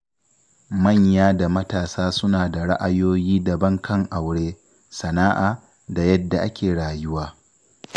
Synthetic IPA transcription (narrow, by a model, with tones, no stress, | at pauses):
mɐ˦˨ɲjaː˦da˨mɐ˦taː˨saː˦sʊ˦naː˨da˨ɽa˦ʔa˦joː˦jiː˦dɐ˨bɐ˦ŋkʰɐ˦ŋʔa˨wɽeː˦ | sɐ˨naː˦ʔaː˨ | da˨jɐ˦dːa˨ʔa˦kʲeː˨ɽaː˨jʊ˦waː˦